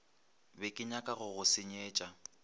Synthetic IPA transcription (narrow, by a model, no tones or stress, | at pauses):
bɛkʼɪɲakʼaɣʊɣʊsɪɲeːt͡ʃʼa